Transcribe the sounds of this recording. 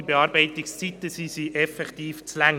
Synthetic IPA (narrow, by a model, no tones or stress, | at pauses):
ibeɑːɾbɛɪtɪkst͡sit̪əsisiʔɛfɛktiːft͡slæŋ